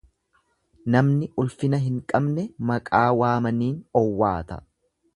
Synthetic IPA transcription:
nɐmnɪʔʊlfɪnɐɦɪŋkʼɐbnɛmɐkʼaːwaːmɐniːnɔwːaːt̪ɐ

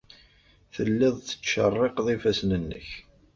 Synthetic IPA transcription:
θəlːɪðˤθə̥t͡sːʃə̰rˤːeqðˤifæsnənːə̰ç

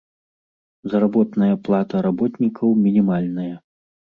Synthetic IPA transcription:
zɾabɔt̪nɐjɐplˠat̪ɐɾabɔt̪nʲikʰɐwmʲinʲimalʲnɐjɐ

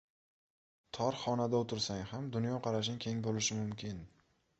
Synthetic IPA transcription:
t̪ʰɒɾχɒnad̪aot̪ʰɪɾsaŋhamd̪ʊnjɒqʰɑɾaʃ̬ɪnɪkʲʰe̞ŋbolɪʃɪmʊmkʲʰɪn

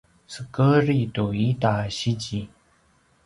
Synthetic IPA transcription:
səkəritoit̪aɕid͡ʑi

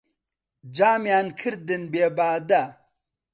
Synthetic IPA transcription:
d͡ʒaːmjaːnkʰɨɾd̪ɨnbeːbaːd̪ɐ

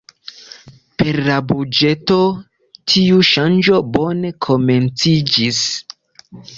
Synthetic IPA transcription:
pe̞ɾlabud͡ʒe̞to̞ | tʰiuʃand͡ʒo̞bo̞ne̞kʰo̞me̞nt͡sid͡ʒis

